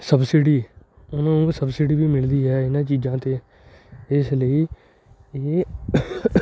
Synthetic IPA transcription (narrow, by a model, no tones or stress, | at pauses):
səbsiɖiː | ʊnãːnũːsəbsɪɖiːbiːmɪld̪iːɦɛːɪnãːt͡ʃiːd͡ʒãːt̪eː | ɪsləiː | eː